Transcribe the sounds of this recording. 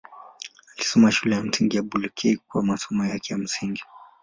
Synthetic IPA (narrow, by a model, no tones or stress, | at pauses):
alisɔmaʃulɛjam̩siŋɡijabulukʰɛik̚uwamasɔmajakɛjam̩siŋɡi